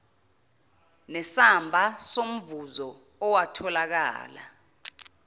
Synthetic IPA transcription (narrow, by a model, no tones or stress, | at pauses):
nɛsambʱasom̩vuzɔ | ɔwatʰɔlak̬a̰ːla̰